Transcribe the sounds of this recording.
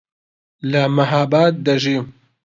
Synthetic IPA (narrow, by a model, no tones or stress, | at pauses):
lɐmɐɦaːbaːt̪̚d̪ɐʒiː